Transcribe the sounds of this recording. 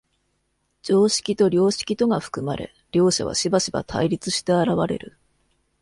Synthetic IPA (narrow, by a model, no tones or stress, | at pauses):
d͡ʑo̞ːɕi̥kʲit̪o̞ɾʲo̞ːɕi̥kʲit̪o̞ɡaɸɯ̥kɯ̟maɾʔe̞̰ | ɾʲo̞ːɕa̰βa̰ɕibaɕiba̰t̪ʰa̰iɾʲit͡sɨɕi̥t̪e̞aɾaβaɾe̞̰ɾɯ̟